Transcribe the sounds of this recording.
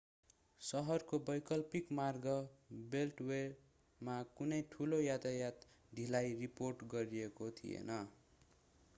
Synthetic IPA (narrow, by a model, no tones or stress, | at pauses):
sʌɦʌrkobʌjkʌlpikmarɡʌbelʈwe | makunʌjʈʰulojat̪ajat̪ | d̪ʱilajriporʈɡʌɾiekot̪ʰḭjḛnʌ